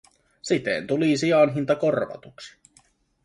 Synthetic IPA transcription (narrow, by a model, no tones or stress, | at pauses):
sit̪ḛnt̪ulisiɑnɦint̪ɑko̞rʋɑ̰t̪uksi̥